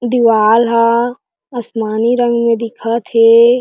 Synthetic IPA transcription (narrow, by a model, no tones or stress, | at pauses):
d̪iʋaːlɦã | ɐsmaːniɾɐ̃ŋɡmẽd̪ɪkʰat̪ɦeː